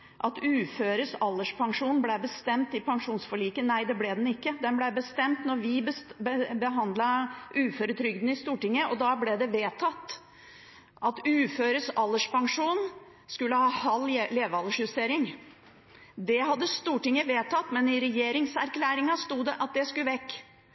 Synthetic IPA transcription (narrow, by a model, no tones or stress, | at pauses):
ʔɑt̪ʉːføːɾəsɑlːəʂpʰɑŋʂuːnblɛbəst̪ɛmt̪ɪpʰɑŋʂuːnsfɔɭiːkənæɪd̪ɛblɛd̪ɛnɪkːəd̪ɛnblæbəst̪ɛmt̪nɔɾʋɪbəbəbəɦɑnd̪lɑʔʉːføɾət̪ʰɾʏɡd̪n̩ɪst̪uːʈɪŋːəʔɔd̪ɑblɛd̪ɛʋeːt̪ʰɑt̪ː | ʔɑt̪ʉːføːɾəsɑlːəʂpɑŋʂuːn | skʉlːəhɑːhɑlːleːʋəɑlːəʂhʉst̪eːɾɪŋ | d̪ɛɦɑd̪ːəst̪uːʈɪŋːəʋeːt̪ʰɑt̪ːmɛnɪɾɛjeːɾɪŋsæɾkʰlæːɾɪŋɑst̪uːd̪ɛʔɑt̪̚d̪ɛskʉʋɛkː